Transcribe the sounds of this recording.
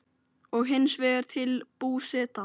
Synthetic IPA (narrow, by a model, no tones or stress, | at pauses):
ɔɣɦɪnːsvɛːɣʏɾ̥t̪ʰɪlpuːsɛt̪a